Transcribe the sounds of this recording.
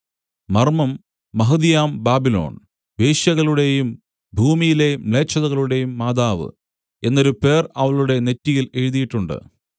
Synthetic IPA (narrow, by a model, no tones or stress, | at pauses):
mɐrmɐmː | ɐɦɨðijaːmbaːbilo̞̰ːɳ | beːɕjɐɣɐɭuɽe̞jum | bʱuːmijile̞jmɭe̞ːt͡ɕːɐðɐɣɐɭuɽe̞jumːaːd̪aːʋɨ̰ | e̞nːoɾupe̞ːrɐʋɐɭuɽe̞ne̞tːijile̞ɻiðijiʈːuɳɖɨ̰